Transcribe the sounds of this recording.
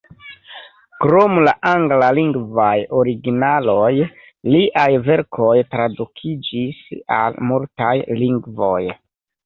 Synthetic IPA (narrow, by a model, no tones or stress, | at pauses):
kɾo̞mlaʔaŋɡlaliŋɡvajo̞ɾiɡinalo̞j | liʔajve̞ɾkʰo̞jtɾadukʰid͡ʒisa̰lmultajliŋɡvo̞̰j